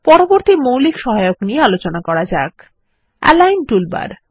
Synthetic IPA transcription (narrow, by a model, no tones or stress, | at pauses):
pɔɾoboɾt̪imowlikʃɔɦajokniealot͡ɕonakɔɾad͡ʑak | ɛ̰lajnʈulba̰ɾ